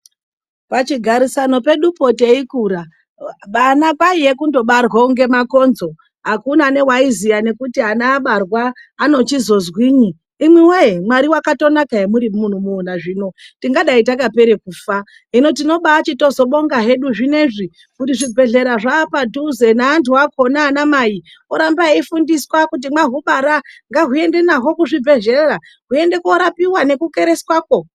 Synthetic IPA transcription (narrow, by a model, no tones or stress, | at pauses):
pat͡ʃiɡʱaɾisano̞pe̞ɗupo̞te̞ikuːɾa | ɓanapaije̞kundo̞ɓarwouŋɡe̞mako̞nzo̞ | ɦakunane̞waizijane̞kutianaːɓarwaːno̞t͡ʃizo̞zwiːɲiː | mwiweimwaɾiwakato̞nakaemuɾimun̤umuːnaʐiːno̞tiŋɡaɗaitakape̞ɾe̞kuːfa | ino̞tino̞ɓaːt͡ʃito̞zo̞ɓo̞ŋɡaɦe̞ɗuʐine̞ʐi | kutiʐibʱe̞ɮe̞ɾaʐaːpaduzenaːntuako̞naːnamaji | oɾambaeifundiswakut̬imaɦuɓaɾaŋɡaɦue̞nde̞naɦo̞kuʐibʱe̞ɮeɾa | ɦue̞nde̞koɾapiwane̞kuke̞ɾe̞swaːko̞